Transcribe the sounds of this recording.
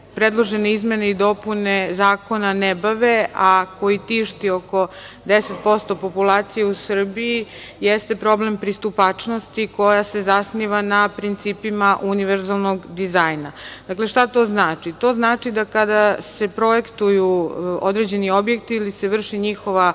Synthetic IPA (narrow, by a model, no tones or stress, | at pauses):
pɾed̪lˠo̞ʒeneizme̞neid̪o̞pune̞zaːko̞nanebaʋeako̞jit̪iʃt̪io̞ko̞d̪eset̪̚po̞st̪o̞po̞pulˠaːt̪sije̞usr̩bii | jest̪e̞pɾo̞ble̞mpɾist̪upat͡ʂno̞st̪iko̞jase̞zasniʋanapɾint̪siːpimaʔuniʋeɾzalˠnoɡd̪izajnad̪akle̞ʃt̪at̪o̞ːznaːt͡ʃit̪o̞znaːt͡ʃid̪akad̪ase̞pɾo̞jekt̪ujuod̪ɾed͡ʑe̞nio̞bje̞k̚t̪iilise̞ʋr̩ʃiɲixo̞ʋa